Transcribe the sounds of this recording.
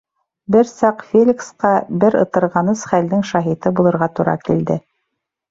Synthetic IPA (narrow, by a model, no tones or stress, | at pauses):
bɘɾsɑqfʲelʲiksqɑbɘɾɤ̆t̪ɤ̆ɾʁɑnɤsχæld̪ɘŋʃɑɦit̪ɤbulˠɤ̆ɾʁɑt̪uɾɑ̰kild̪ɘ